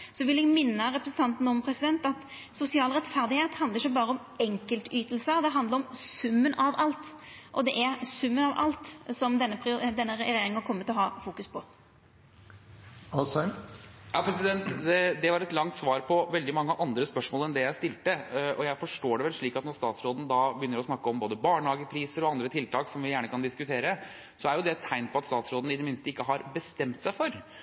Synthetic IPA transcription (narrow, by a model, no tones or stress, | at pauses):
sɔʋɪlɛɡmɪnːəɾɛpɾəsn̩t̪ʰɑnt̪n̩ɔmpʰɾɛsɪd̪ɛnt̪ɑt̪ | sʊsɪɑːlɾɛt̪fæʁd̪ɪheːt̪hɑnd̪əɾɪçʃɔbɑːɾəɔm | ɛŋkəlt̪yːt̪əlsəd̪ɛɦɑnd̪ləɾɔmsʉmːənɑʋʔɑlt̪ʔɔd̪ɛʔæɾsʉmːənɑʋʔɑ̰lt̪sɔmd̪ɛnːəpʰɪd̪ɛnːəɾɛɛɛjeːɾɪŋɑkʰɔmːət̪ɪlɔɦɑːfuːkʉspʰɔ | s | jɑpʰɾɛsɪd̪ɛnt̪ɛd̪ɛʋɑɾɛt̪lɑŋt̪sʋɑːɾpʰɔʋɛld̪ɪmɑŋːəʔɑnd̪ɾəspœʂmoːlɛnd̪ɛjæɪst̪ɪlt̪əʔɔjæɪfɔʂʈoːɖɛʋɛlʂɭiːkɑt̪nɔɾst̪ɑːt̪sɾoːd̪n̩d̪ɑbəjʏnːəɾɔsnɑkːəɔmboːd̪əbɑːɳhɑːɡəpʰɾiːsəɾɔɑnd̪ɾət̪ʰɪlt̪ʰɑːksɔmʋɪjæːɳəkʰɑnd̪ɪskʉt̪ʰeːɾə | sɔæɾjʊd̪ɛt̪ʰːæɪnpʰɔɑt̪st̪ɑːt̪sɾoːd̪n̩ɪd̪ːəmɪnst̪əɪkːəɦɑɾbəst̪ɛmt̪sæɪfɔɾ